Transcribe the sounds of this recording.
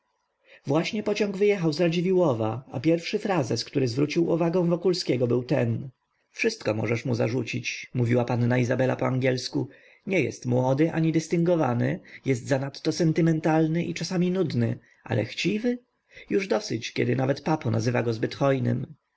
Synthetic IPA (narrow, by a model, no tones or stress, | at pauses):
vwaɕɲɛpɔt͡ɕɔ̃ŋɡvɘjɛxawzɾad͡ʑivʲiwɔvaa̰pʲjɛɾfʂɘfɾazɛskt̪uɾɘzvɾut͡ɕiwuvaɡɔ̃w̃vɔkulskʲɛɡɔbɘwt̪ɛn | fʂɘst̪kɔmɔ̰ʐɛʂmuza̰ʐut͡ɕit͡ɕmuvʲiwapanːaizabɛla̰pɔaŋɡʲɛlsku | ɲɛjɛ̰st̪mwɔd̪ɘʔa̰ɲid̪ɘst̪ɘŋɡɔva̰nɘ̰jɛs̬t̪zanat̪ːɔsɛnt̪ɘmɛnt̪alnɘʔit͡ʂasamʲinud̪nɘ | ʔa̰lʔɛ̰xt͡ɕivɘ | juʐd̪ɔsɘt͡ɕkʲɛ̰d̪ɘnavɛt̪papɔna̰zɘvaɡɔzbɘt̪xɔjnɘ̰m